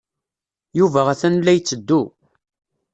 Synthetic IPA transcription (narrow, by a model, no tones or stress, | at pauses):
juvæʁæθænlːæjt͡sːəd̪ːu